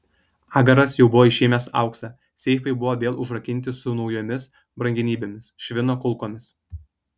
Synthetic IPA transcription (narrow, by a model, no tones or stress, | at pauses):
ɑːɡɐɾɐsjɛʊbʊʋoːɪʃʲeːmʲɛsɑ̰ˑʊksɑ | sʲɛɪfɐɪbʊʋoːʋʲeːlˠʊʒɾɐkʲɪnʲt̪ʲɪsʊnɒʊjoːmʲɪs | bɾɐŋʲɡʲɪnʲiːbʲeːmʲɪsʃʲʋʲɪnoːkʊlˠkoːmʲɪs